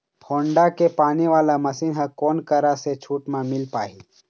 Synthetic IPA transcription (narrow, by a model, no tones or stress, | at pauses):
pʰoːɳɖakepaːniʋaːlamɐsiːnɦɐkoːnkɐɾaset͡ʃʰuːʈmãmɪlpaːɦiː